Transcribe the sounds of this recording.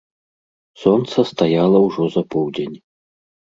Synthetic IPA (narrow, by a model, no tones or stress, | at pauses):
sɔnt̪sɐst̪ajalˠɐwʐɔzɐpɔwd͡zʲenʲ